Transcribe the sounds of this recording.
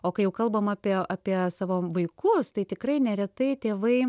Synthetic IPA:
oːkɐɪjɛʊkɐlˠbɐmɑːpʲiɛɑːpʲiɛsɑːʋoːʋɐɪkʊst̪ɐɪt̪ʲɪkrɐɪnʲɛɾʲɛt̪ɐɪt̪ʲeːʋɐɪ

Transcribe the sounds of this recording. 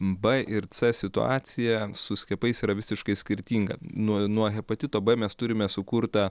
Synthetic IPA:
bɐʔɪɾt͡sɛsʲɪt̪ʊ̰ɑ̰ːsʲɪjɛsʊsʲkʲɛpɐɪsiːɾɐʋʲɪsʲɪʃkɐɪsʲkʲɪɾʲt̪ʲiːŋɡɐ̰nuɔnuɔɣʲɛpɐt̪ʲɪt̪oːbɐmʲɛst̪ʊɾʲɪmʲɛsʊkuɾt̪ɐ

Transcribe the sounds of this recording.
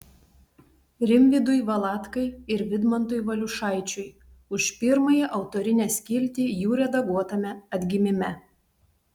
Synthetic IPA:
ɾʲɪmʲʋʲɪd̪ʊɪʋɐlˠɑːt̪kɐɪɪɾʋʲɪd̪mɐnt̪ʊjʋɐlʲʊʃɑˑɪt͡ʃʲʊj | ʊʃpʲɪɾmɐjiʔɐʊt̪oːɾʲɪnʲɛsʲkʲɪlʲt̪ʲiːjuːɾʲɛd̪ɐɡuɔt̪ɐmʲɛɐd̪ʲɡʲɪmʲɪmʲɛ

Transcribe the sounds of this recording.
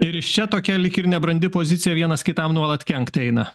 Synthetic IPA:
ɪɾɪʃt͡ʃʲɛt̪oːkʲɛlʲɪkʲɪɾnʲɛbɾɐnʲd̪ʲɪpozʲɪt̪sʲɪjɛʋʲiɛnɐskʲɪt̪ɐmnuɔlˠɐt̪kʲɛŋkt̪ɛɪnɐ

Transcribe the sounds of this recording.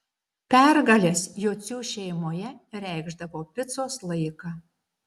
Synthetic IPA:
pʲæɾɡɐlʲeːsjoːt̪sʲuːʃʲɛɪmoːjɛɾʲæɪɡʒd̪ɐʋoːpʲɪt̪soːslˠɐɪkɑː

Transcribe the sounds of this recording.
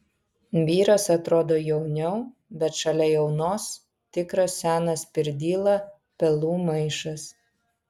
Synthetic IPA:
ʋʲiːɾɐsɐt̪ɾoːd̪oːjɛʊnʲɛʊbʲɛt̪ʃɐlʲɛjɛʊnoːs | t̪ʲɪkɾɐsːʲæːnɐspʲɪɾʲd̪ʲiːlˠɐ | pʲɛlˠuːmɐɪʃɐs

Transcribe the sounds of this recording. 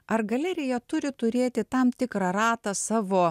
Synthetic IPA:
ɐɾɡɐlʲɛɾʲɪjɛt̪ʊɾʲɪt̪ʊɾʲeːt̪ʲɪt̪ɐmt̪ʲɪkɾɑɾɑːt̪ɑsɑːʋoː

